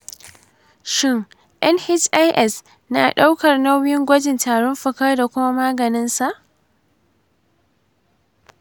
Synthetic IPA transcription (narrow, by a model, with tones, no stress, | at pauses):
ʃɪ˦ŋ | ʔɛ˦nhɪ˦t͡ʃʔa˦jʔɛ˦˨s | naː˨ɗa˦wkɐ˨rnɐ˦wjɪ˦ŋɡʷɐ˦d͡ʒɪ˨ntaː˨ɽɔ˦mɸɐ˨kɐ˦rda˨kʷʊ˦ma˦maː˦ɡɐ˨nɪ˦nsa˨ʔ